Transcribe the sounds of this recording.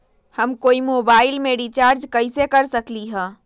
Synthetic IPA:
həmkoːimoːbaːɪlmeɖit͡ʃaːɾd͡ʒkəɪsekəɾsəkliɦɛ̃ː

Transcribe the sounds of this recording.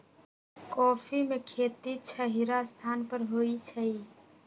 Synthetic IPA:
kɔːpʰimekʰet̪it͡ʃʰəɦiɾast̪ʰanpəɾɦoit͡ʃʰəi

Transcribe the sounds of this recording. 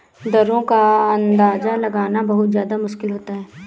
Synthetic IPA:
d̪ɐɾõkaɐ̃nd̪aːzalɐɡaːnabɐɦʊt̪zjaːd̪amʊʃkɪlɦoːt̪aɦɛː

